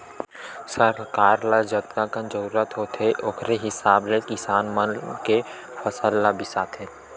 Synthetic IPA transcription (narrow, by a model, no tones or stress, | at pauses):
səɾkaːɾlad͡ʒət̪kãkə̃nd͡ʒəɾuːɾət̪ɦoːt̪ʰeʔokʰɾeɦɪsaːblekɪsaːnmənke | fʰəsəlːabɪsaːt̪ʰẽː